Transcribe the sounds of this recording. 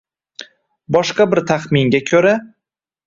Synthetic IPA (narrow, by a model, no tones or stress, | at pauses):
bɒʃqɑbɪɾt̪ʰaχmɪŋɡʲakʲʰɵɾa